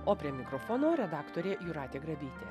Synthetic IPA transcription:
oːpʲɾʲiɛmʲɪkɾoːfoːnoːɾʲɛd̪ɑːkt̪oːɾʲeːjʊɾɑːt̪ʲeːɡɾɐʋʲiːt̪ʲḛː

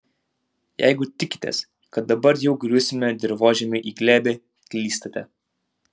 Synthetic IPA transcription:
jɛ̰ɪɡʊt̪ʲɪkʲɪ̥t̪ʲɛ̰s | kɐt̪̚d̪ɐbɐɾjɛʊɡɾʲusʲɪmʲɛd̪ʲɪɾʋoːʒʲɛmʲɪʔiːɡlʲæːbʲe | kʲlʲiːst̪ɐt̪ʲɛ

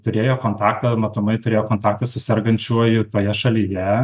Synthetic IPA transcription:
t̪ʊɾʲeːjoːkoːnt̪ɑːkt̪ɐmɐt̪ʊmɐɪt̪ʊɾʲeːjoːkoːnt̪ɑːk̚t̪ɐsʊsʲɛrɡɐnʲt͡ʃʲuɔjɪt̪oːjɛʃɐlʲiːjɛ

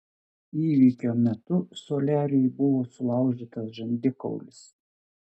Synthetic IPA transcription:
iːʋʲiːkʲoːmʲɛt̪ʊsoːlʲæːɾʲɛjbʊʋoːsʊlˠɐˑʊʒʲiːt̪ɐsʒɐnʲd̪ʲɪkɔ̰ʊlʲɪs

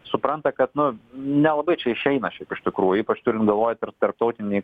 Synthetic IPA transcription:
sʊpɾɐnt̪ɐkɐt̪nʊnʲɛlˠɐbɐɪt͡ʃʲɛɪʃʲɛɪnɐʃʲɛɪpɪʃt̪ʲɪkɾuːjʊiːpɐt͡ʃt̪ʊɾʲɪnt̪ɡɐlˠʋoːjɛt̪ɪɾt̪ɐɾp̚t̪ɐʊt̪ʲɪnʲɛɪ

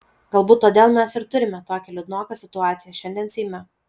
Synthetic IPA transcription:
ɡ̥ɐlˠbuːt̪ːoːd̪ʲeːlˠmʲɛsɪɾt̪ʊɾʲɪmʲɛt̪oːkʲɛlʲʊd̪noːkɐsʲɪt̪ʊɑːt̪sʲɪjɛʃʲɛnʲd̪ʲiɛnsʲɛɪmʲɛ

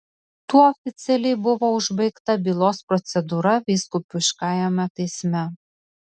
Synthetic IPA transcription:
t̪uɔofʲɪt̪sʲɛlʲɛjbʊʋoːʊʒbɐɪkt̪ɐbʲiːlˠoːspɾɔt̪sʲɛd̪uːɾɐʋʲiːskupʲʊʃkɑːjɛmʲɛt̪ɐɪsʲmʲɛ

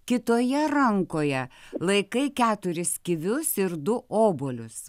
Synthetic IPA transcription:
kʲɪt̪oːjɛɾɐŋkoːjɛlˠɐɪkɐɪkʲæːt̪ʊɾʲɪskʲɪʋʲʊsɪɾd̪ʊʔoːboːlʲʊs

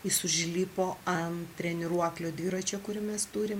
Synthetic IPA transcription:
ɪsʊʒʲlʲiːpoːɐnt̪ʲɾʲɛnʲɪɾuɔklʲoːd̪ʲʋʲiːɾɐt͡ʃʲɛkʊɾʲɪmʲɛst̪uːɾʲɪm

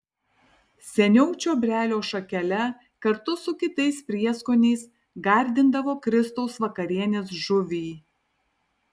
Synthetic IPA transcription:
sʲɛnʲɛʊt͡ʃʲoːbʲɾʲæːlʲoːʃɐkʲɛlʲɛ | kɐɾt̪ʊsʊkʲɪt̪ɐɪspʲɾʲiɛskoːnʲɛɪs | ɡɐˑɾʲd̪ʲɪnd̪ɐʋoːkɾʲɪst̪ɐʊsʋɐkɐɾʲiɛnʲeːs̬ʒʊʋʲiː

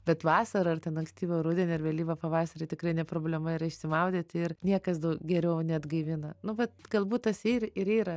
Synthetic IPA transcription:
bʲɛt̪ʋɑːsɐɾɐɐrt̪ʲɛnɐŋksʲt̪ʲiːʋʲoɾʊːd̪ʲɛnʲɪɾʋʲɛːlʲiːʋɐpɐʋɑːsɐɾɐɪt̪ʲɪkɾɐɪnʲɛpɾoːbʲlʲɛmɐɪɾɐɪʃʲsʲɪmɐʊd̪ʲeːt̪ʲɪɪrnʲiɛkɐs̬d̪ɐʊkɡʲɛɾʲɛʊnʲɛɐd̪ɡɐɪʋʲɪnɐnʊʋɐt̪ɡ̥ɐlˠbuːt̚t̪ɐsiːrɪɾiːɾɐ

